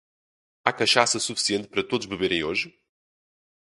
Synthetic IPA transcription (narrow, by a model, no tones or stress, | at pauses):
akɐʃasɐsufi̥siẽnt̪̚pɐɾɐt̪oðuʒβɨβeɾẽj̃oʒ